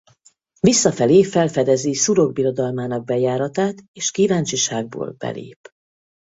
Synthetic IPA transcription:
visːɒfɛleːfɛlfɛd̪ɛzisuɾo̞ɡ̚biɾo̞d̪ɒlmaːnɒɡ̚bɛjaːɾɒt̪aːt̪eːʃkivaːnt͡ʃiʃaːɡ̚bo̰ːlb̥ɛ̰lḛːp

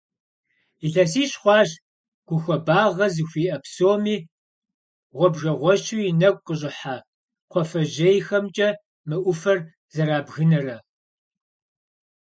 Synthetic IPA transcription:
iɬɐsiːɕχʷɑːʒ | ɡ̥ʷʊxʷɔbaːʁɐzɨxʷiːʔɐpsoːmiː | ʁʷɔbʒɐʁʷɔʃuɪnɐkʷʼqʼəɕʼɪħaː | qʷʰɔfɐʒejxɐmt͡ʃʼɐ | mɨʔʷʊfɐr | zɐɾaːbɣɨnɐrɐ

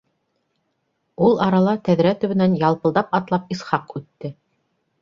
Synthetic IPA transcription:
ulˠɑɾɑlˠɑt̪æðɾæt̪ɵ̆βɘ̆nænjɑlˠpɤ̆lˠd̪ɑpɑt̪lˠɑp̚isχɑqʉt̪ːɘ

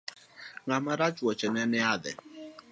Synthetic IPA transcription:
ŋamaɾat͡ʃuɔt͡ʃɛnɛnɛadɛ̰

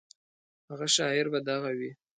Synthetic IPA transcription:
haɣaʃɑɪɾbad̪aɣawi

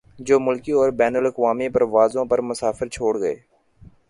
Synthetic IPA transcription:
d͡ʒoːmʊlkiɔːɾbɛːnələkʋaːmiːpəɾʋaːzõːpəɾmʊsaːfəɾt͡ʃʰoːɽɡəḛː

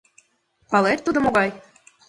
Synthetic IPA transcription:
pɑlˠet̪ːud̪ŏmoɣɑj

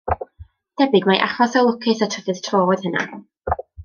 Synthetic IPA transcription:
d̥ɛbɪɡmaʔa̰χɔsɔlˠʊkʰɨθatʰəvɨðtʰroːɔð̥həna̰

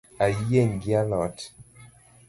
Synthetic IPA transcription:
ajeŋɡialɔt

